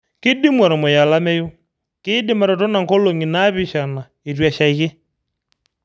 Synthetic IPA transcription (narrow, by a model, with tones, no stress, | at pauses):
kɪ˦di˦mwa˨ɾɔ˨mo˨ja˨la˦mɛ˦jo˦ | kɪ˦dɪ˦ma˨ɾɔ˨tɔ˦na˨ŋkɔ˦lo˨ŋi˨na˦βi˨ʃa˨na˨ | e˨twa˨ʃa˨i˦ɣe˦